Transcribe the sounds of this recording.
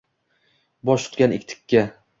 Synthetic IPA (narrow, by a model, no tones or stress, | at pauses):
bɒʃʰʊ̥t̪kʲanɪkʲt̪ʰɪ̥kʲːa